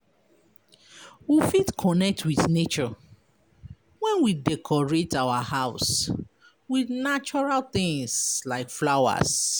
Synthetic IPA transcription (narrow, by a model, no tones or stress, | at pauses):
wifitkʰɔnɛk̚tʰwiθnet͡ʃɔ | wɛ̃nwidɛkʰɔɹetawahaʊs | wiðnat͡ʃɔɹalθɪ̃ŋslaɪkflawa̰s